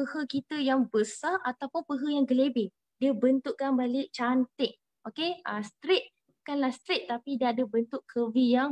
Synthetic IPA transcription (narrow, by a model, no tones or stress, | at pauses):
pəhəkit̪əjaŋbəsarʔat̪awpʊnpəɦəjaŋɡəlebe | diəbənt̪uʔkanbalɪʔt͡ʃant̪ɪʔ̚ | okeast̪ɾɪt̪̚ | ukanlahst̪ɾɪt̪̚t̪ːapidaadəbənt̪ʊʔkʰəvijaŋ